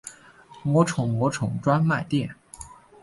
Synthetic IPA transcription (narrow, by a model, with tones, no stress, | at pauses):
mwɔ˧˥ʈ͡ʂʰʊ˨˩ŋmwɔ˧˥ʈ͡ʂʰʊ˨˩˦ŋʈ͡ʂwa˥nma˥˧ɪt̪jɛ˥˩n